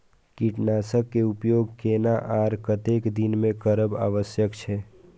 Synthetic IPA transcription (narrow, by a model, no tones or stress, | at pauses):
kiʈnaːsəkːeupjoːɡkeːnaʔaɾkət̪ekd̪inmẽkəɾəba̰ːʋəsjəkt͡ʃʰɛː